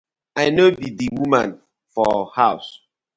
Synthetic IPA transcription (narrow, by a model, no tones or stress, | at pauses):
aɪnobidiwumã̰n | fɔhaʊs